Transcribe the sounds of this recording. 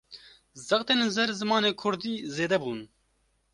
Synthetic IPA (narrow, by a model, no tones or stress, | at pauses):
zɑxt̪eːnzɛɾzɨmɑːneːkʰʊɾd̪iːzeːd̪ɛbuːn